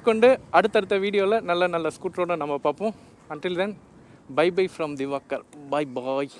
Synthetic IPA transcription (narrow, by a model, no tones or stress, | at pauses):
kːɔɳɖɯɐɽɯt̪ːɐɽɯt̪ːɐʋiːɽɪjoːlɐnɐlːɐnɐlːɐskuːʈɾoːɽɐ̃nɐmːɐpaːɾpõː | ɐɳʈɪld̪ɛn | bɐɪbɐɪfɾɐmd̪ɪʋaːkɐɾbɐɪbaɪ